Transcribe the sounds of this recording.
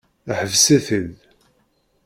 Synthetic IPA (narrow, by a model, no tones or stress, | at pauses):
ħəvsæθəl